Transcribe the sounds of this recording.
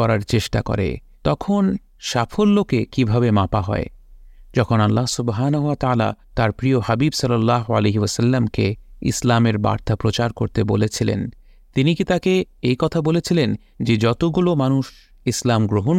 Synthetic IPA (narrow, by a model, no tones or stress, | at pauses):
ɔɾaɾt͡ɕeʃʈa̰kɔ̰ɾḛ | t̪ɔkʰon | ʃafʰolːokekibʱabemapaɦɔ̰ed͡ʑɔkʰonalːaɦsubɦaːnaɦuat̪aaːla̰t̪aɾpɾioɦabibsʌlːalːaɦoaleɦiasalːamkeḭslameɾba̰ɾt̪apɾot͡ɕaɾkoɾt̪ebolet͡ɕʰilḛn | t̪inikit̪akeejkɔt̪ʰabolet͡ɕʰilen | d͡ʑed͡ʑɔt̪oɡulomanuʃ | islamɡɾoɦon